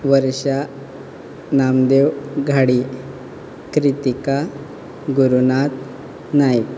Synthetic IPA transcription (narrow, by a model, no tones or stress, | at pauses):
ʋəɾɕa | namd̪ewɡʱaɽi | kɾit̪ika | ɡuɾunat̪ | najk̪